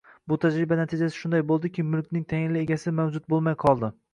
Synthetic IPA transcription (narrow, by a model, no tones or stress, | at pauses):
bʊt̪ʰad͡ʒɾɪbanat̪ʰɪd͡ʒasɪ̥ʃʊnd̪ajbolˠd̪ɪkʲɪmʊlˠk̚ʲnɪŋt̪ʰajɪnlɪeɡʲasɪmawd͡ʒʊt̪̚bolˠmajqʰɒlˠd̪ɪ